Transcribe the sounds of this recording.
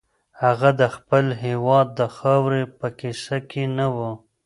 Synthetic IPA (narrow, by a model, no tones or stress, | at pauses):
haɣad̪əxpəlɦewɑd̪̚ːəxɑwɾepəkisakʰenawə